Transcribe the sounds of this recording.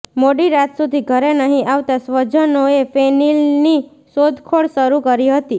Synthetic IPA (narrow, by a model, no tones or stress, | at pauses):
moɖiɾat̪sud̪ʱiɡʱəɾenəɦĩʔaʋt̪asʋəd͡ʒənoefenilni | sod̪ʱkʰoɽʃəɾukəɾiɦət̪i